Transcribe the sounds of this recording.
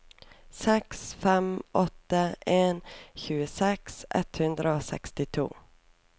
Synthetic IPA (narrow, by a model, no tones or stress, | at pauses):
sɛksfɛmɔt̪ːaeːnɕʉ̟ːsɛksʔɛ̰t̪ːhɵnd̪ɾaosɛ̰kst̪ɪt̪ʰṵː